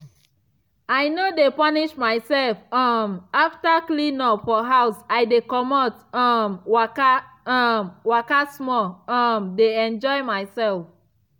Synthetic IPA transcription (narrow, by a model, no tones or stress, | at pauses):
ajnodepaniʃmaɪsɛlfãmaftaklinɔfɔɦawsaɪdekɔmɔtãmwaka | amwakasmɔãmdeɛ̃nd͡ʒɔɪmaɪsɛlf